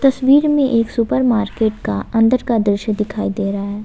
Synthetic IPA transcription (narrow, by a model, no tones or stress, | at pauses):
t̪ɐswiːɾmẽʔeːksʊpəɾmaːɾkeːʈkaɐ̃nd̪əɾkad̪ɾɪʃəd̪ɪkʰaːid̪eːɾaaɦɛː